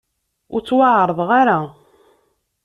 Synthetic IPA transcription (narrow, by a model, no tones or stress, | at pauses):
ʊɾt͡sːwaʕɾˤəðˤʁaɾa